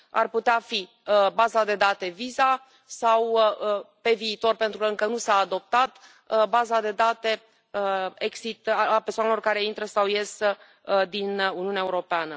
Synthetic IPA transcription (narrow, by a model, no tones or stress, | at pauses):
a̰rput̪eafi | bazad̪e̞d̪at̪e̞viza | saw | pe̞viːt̪o̞rpe̞nt̪ɾukəɨŋkənusaːd̪o̞p̚t̪at̪ | bazad̪e̞d̪at̪e̞ | əeksit̪aaperswanelo̞rkaɾe̞int̪ɾəsawjes | d̪inuniunaeuɾo̞peanə